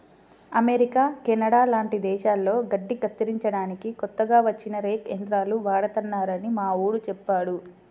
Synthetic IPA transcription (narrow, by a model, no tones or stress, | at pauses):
ɐmeɾikaːkɛnɐɽaːlaːɳʈid̪ɛːʃaːlːo̞ːɡɐɖːikɐt̪ːiɾiɲt͡ʃɐɽaːnikikɔt̪ːɐɡaːʋɐt͡ʃːinɐɾeːkend̪ɾaːluʋaːɽɐt̪ɐnːaːɾɐnimaːuːɽut͡ʃɛpːaːɽu